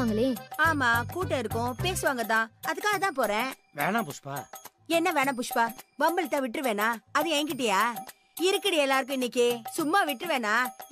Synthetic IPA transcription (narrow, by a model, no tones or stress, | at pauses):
aːŋɡɐɭeːaːmaːkuːʈːɐɪɾɯkːʊ̃peːsɯʋaːŋɡɐt̪ãːɐðɯkːaːɣɐt̪ãːp̬oːɾɛ̃ː | ʋḛːɳãːpʊʂpa̰ː | ɛnːɐʋeːɳãːp̬ʊʂpaːbɐmbɐlt̪ːãːʋɪʈːɾɯʋeːnaːɐðɯɛːŋɡɪʈ̬ːɪjaː | ɪɾɯkːɪɽɪɛlːaːɾɯk̬ːʊ̃ɪnːɪkːɯsʊmːaːʋɪʈːɾɯʋeːnaː